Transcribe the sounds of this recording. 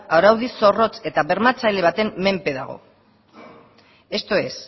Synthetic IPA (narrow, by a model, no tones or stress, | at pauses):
awɾawðiso̞ro̞t͡se̞t̪aβe̞ɾmat͡sajleβ̞at̪e̞mːe̞mpe̞ðaɣ̞o̞̰ | e̞st̪o̞e̞s